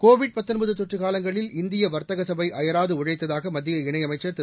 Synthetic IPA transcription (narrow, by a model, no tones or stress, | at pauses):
koːʋɪɽ̚pɐt̪ːɯnbɐðɯt̪ɔʈrɯɣaːlɐŋɡɐɭɪlɪnd̪ɪjɐʋɐɾt̪ɐɣɐsɐbɐɪʔɐjɐɾaːðɯʊɻɐɪt̪ːɐðaːɣɐmɐd̪ːɪjɐɪɳɐɪjɐmɐɪt͡ʃːɐɾt̪